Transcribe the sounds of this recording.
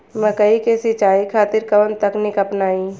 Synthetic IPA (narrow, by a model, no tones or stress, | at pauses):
məkəikesɪt͡ʃaːikʰaːt̪ɪɾkɐʋənt̪ɐknikɐpnaːĩ